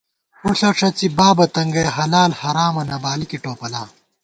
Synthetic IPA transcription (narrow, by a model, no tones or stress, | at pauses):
uɬɐʈ͡ʂʰɐt͡sibaːbɐt̪ɐŋɡɐjɦɐlaːlhɐɾaːmɐnɐbaːlikiʈoːpɐlaː